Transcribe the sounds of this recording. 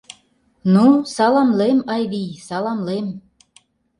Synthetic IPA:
nusɑlɑmlemɑjβijsɑlɑmlem

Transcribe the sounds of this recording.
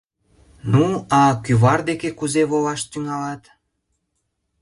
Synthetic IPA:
nuɑkyβɑrd̪ekekuzeβolɑʃt̪yŋɑlɑt̪

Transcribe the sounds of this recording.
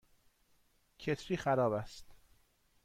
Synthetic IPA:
cʰet̪ʰɾiːxæɾɒːbæst̪

